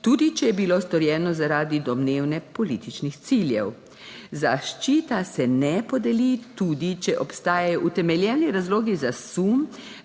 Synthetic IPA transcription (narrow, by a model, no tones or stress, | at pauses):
t̪uːd̪it͡ʃɛjɛbilost̪ɔɾjɛːnɔzaɾaːd̪id̪ɔmneːwnɛpɔlit̪it͡ʃnixt̪siljɛ̰w | zaʃt͡ʃiːt̪asɛnɛpɔd̪ɛlit̪uːd̪it͡ʃɛʔɔpst̪aːjajɔʔut̪ɛmɛljɛwniɾazloːɡizasum